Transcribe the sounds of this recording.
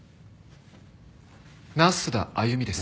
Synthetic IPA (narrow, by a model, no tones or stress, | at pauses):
nasɨd̪a̰ajɯ̟mʲid̪e̞sɨ̥